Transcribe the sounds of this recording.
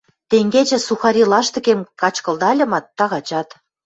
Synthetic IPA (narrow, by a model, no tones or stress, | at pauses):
t̪eŋɡet͡ɕĕsuxɑɾʲilɑʃt̪ə̆kemkɑt͡ɕkɤ̆ld̪ɑlʲɤ̆mɑt̪ːɑɣɑt͡ɕɑt̪